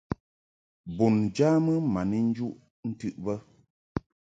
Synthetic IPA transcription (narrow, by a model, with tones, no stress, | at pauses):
bu˨nd͡ʒaː˦mə˦ma˨ni˦n̩˦d͡ʒu˦ʔ | n̩˦tɨ˦ʔbə˦